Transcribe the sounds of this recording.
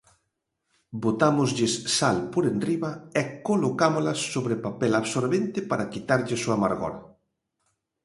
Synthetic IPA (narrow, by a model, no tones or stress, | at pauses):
bot̪amʊzʎɪsːalpoɾenriβaekolokamolasːoβɾepapɛlaβsoɾβent̪ɪpaɾakit̪aɾʎɪsuamaɾɣɔ̰ɾa